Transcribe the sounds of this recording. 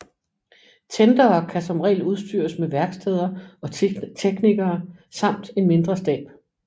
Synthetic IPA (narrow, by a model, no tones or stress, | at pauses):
t͡sʰend̥ɐːkʰæsɒ̽mʁɛ̰ːluð̞ˠsd̥y̰ɐsmeʋæɐɡ̥sd̥ʰɛð̞ˠɐɒ̽t͡sʰeɡ̥niɡ̥ɐːsɑ̈m̰d̥e̝nme̝nd̥ʁɐsd̥ɛ̰ːb̥